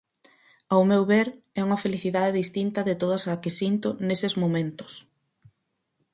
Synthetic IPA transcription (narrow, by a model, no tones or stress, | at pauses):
awmewβeɾɛuŋɐfeliθiðaðeðist̪int̪ɐðɪt̪oðɐsɐkɪsint̪ʊnesɪzmomẽnt̪ʊ̥s